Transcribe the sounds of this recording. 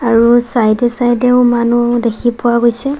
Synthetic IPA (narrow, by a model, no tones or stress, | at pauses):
aɹusajdɛsajdɛʊmanudekʰipʊwaɡojsɛ